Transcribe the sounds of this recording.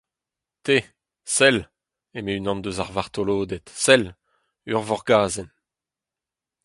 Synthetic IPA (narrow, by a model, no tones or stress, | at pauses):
t̪e | sɛl | emeynɑ̃nd̪øzaʁvaʁt̪oloːd̪ɛt̪sɛl | yʁvɔʁɡaːzɛn